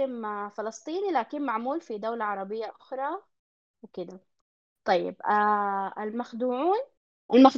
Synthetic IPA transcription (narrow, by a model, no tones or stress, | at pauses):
ɪmfɪlɑsˤt̪ˤiːnilaːkɪnmaʕmuːlfid̪awlaʕɑɾˤɑbɪjːaʔʊxɾˤɑ | wɪkɪd̪a | t̪ˤɑjːɪ̰b̚ | ɪlmaxd̪uːʕuːn | ʔalmax